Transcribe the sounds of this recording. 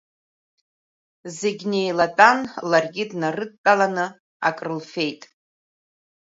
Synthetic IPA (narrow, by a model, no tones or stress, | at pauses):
zeɡʲne̞jlatʼanlarɡʲɪdnarɨd̚tʼalanɨ | a̰kʼrɨlfe̞jtʼ